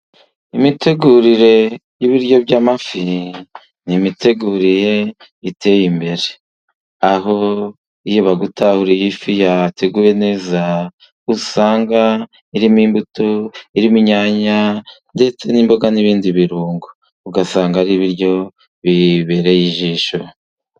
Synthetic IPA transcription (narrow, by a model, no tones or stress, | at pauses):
imite̞ɡuɾiɾe̞jiβiɾjo̞bɟamafi | nimite̞ɡuɾiɾe̞ | itʰe̞jimbe̞ɾe | aɦo̞ | ijoβaɡutahuɾijifijatʰe̞ɡuje̞ne̞ːza | usaːŋɡa | iɾimiːmbutoiɾimiɲaːɲande̞t͡se̞niːmbo̞ɡaniβiːndiβiɾuːŋɡo | uɡasaːŋɡaɾiβiɾjo̞ | βiβe̞ɾe̞jiʒiːʃo̞